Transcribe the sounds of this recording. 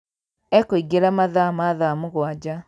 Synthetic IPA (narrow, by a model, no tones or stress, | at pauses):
ɛkoiɡeɾamaðamaðamoɣwad͡ʑa